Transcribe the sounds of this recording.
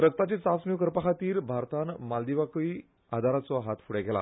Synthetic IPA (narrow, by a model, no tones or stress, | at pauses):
ɾək̚t̪at͡ɕet͡sat͡sniwkəɾpakʰat̪iːɾbʱaɾt̪anmald̪iʋaki | ad̪ʱaɾat͡sɔɦat̪fuɽeɡʱɛla̰